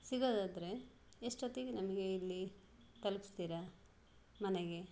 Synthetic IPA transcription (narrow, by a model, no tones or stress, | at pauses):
siɡoːd̪aːd̪ɐɾe̞ | eʂʈot̪iɡnɐmɐɡe̞ilːi | t̪ɐlupist̪iːɾɐ | mɐneɡe̞